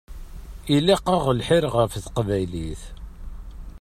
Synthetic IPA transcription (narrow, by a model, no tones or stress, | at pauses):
ilæqəʁəlħɪɾʁəfθqvæjliθ